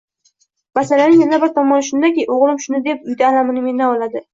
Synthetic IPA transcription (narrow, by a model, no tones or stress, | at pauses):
masalanɪjanabɪɾt̪ʰɒmːɒnʃʊnd̪akʲijʔoʁlˠɪmʃʊnɪd̪e̞p̚ʊjd̪aːlamɪnɪme̞nd̪aɒlad̪ɪ